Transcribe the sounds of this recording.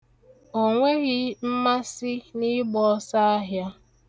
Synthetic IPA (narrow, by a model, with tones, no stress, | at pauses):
o˨ŋʷe˦ɣɪ˦m̩˦ma˦sɪ˦ni˦ɡ͡bɔ˦sa˦a˦ɦja˦